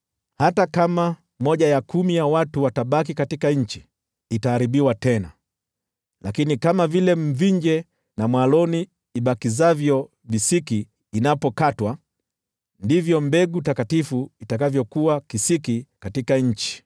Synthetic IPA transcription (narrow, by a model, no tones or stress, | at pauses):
hatakama | mɔʄajakumijawatuwataɓak̬ikatikaɲ̩t͡ʃi | itaːɾiɓiwatɛna̰ | lakinikamavilɛm̩viɲd͡ʒɛ | namwalɔniː | ɓakizavjɔ | visikiː | napɔkatwa | ndivjɔmbɛɡutakatifuitakavjɔkuakisikikatikaɲ̩t͡ʃi̥